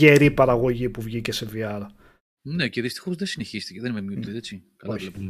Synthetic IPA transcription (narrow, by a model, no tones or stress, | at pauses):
eɾipɐɾɐɣo̞ʝipuvʝice̞se̞viɐɾɐ | neceðist̪i̥xo̞zðesineçist̪iceðenimemɲut̪iet͡sikɐloçe